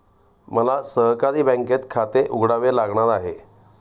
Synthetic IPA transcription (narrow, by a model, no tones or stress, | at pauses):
məlasəɦkaɾiːbə̃ŋket̪kʰat̪eʔuɡɽaʋelaɡɳat̪aɦe